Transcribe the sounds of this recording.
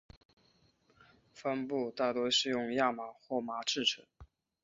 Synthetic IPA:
fə˥npu˥˧t̪a˥˩t̪wɔ˥ʂɻ̩˥˧jʊ˥˧ŋja˥˩ma˨˩xwɔ˥˩ma˧˥ʈ͡ʂɻ̩˥˩ʈ͡ʂʰə˧˥ŋ

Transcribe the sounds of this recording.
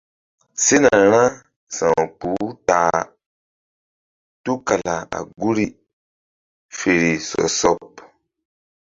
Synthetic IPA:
se˦na˨ɾ̃ã˦ | sã˨k͡pu˨˦taː˨˦ | tu˦ka˨la˨a̰˨ɡu˦ɾi˦ | fe˨ɾi˨sɔ̰˨sɔ˦p

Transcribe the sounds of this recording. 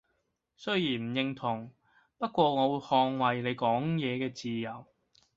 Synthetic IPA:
sɵ˥ɥjjiː˨˩nm̩˨˩jɪ˧ŋt̪ʰʊ˨˩ŋ | pɐ˥t̚kʷɔː˧ŋɔː˨˧wu˨˧jhɔː˧ŋwɐ˨jle˨˧jkɔː˨˥ŋjɛː˨˧kɛː˧t͡siː˨jɐ˨˩w

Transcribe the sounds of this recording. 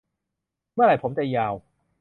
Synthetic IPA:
mɯ˥˩ɐɾa˨˩jpʰo˩˦mt͡ɕɛ˨jaː˨˧˩w

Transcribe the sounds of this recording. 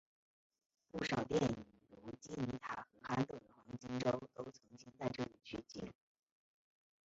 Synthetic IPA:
pu˥˩ʂɑ˨˩ʊt̪jɛ˥˩ni˨˩˦ŋlu˧˥t͡ɕi˥ni˧˥t̪ʰa̰˨˩xɤ˧˥xa˥nt̪ɤ˥˩d̪ə˩xwɑ˧˥ŋt͡ɕi˥ŋʈ͡ʂo˥ʊt̪o˥ʊt͡sʰɤ˧˥ŋt͡ɕi˥nt͡sa˥˧ɪʈ͡ʂɤ˥˩li˨˩t͡ɕʰy˥˩t͡ɕi˥˧˥

